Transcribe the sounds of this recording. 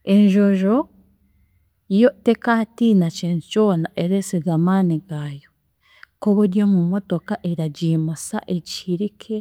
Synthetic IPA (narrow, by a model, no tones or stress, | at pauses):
e̞ɲʒoʒo | jotekatinaceːntico̞ːnaʔeɾesiɡamaːniɡaːjo | koβuɾjomumotokaʔeɾaɟimasa̰ʔeciɾikʰe